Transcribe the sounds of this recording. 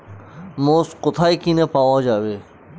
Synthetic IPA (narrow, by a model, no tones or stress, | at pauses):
moːsqʊt̪ʰaːikinepaːwaːd͡ʑaːʋe